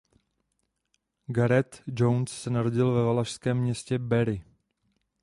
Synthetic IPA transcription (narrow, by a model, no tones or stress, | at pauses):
ɡaɾɛt̪d͡ʒownssɛnaɾo̞ɟɪlvɛvalaʃskɛːmːɲɛscɛbɛɾɪ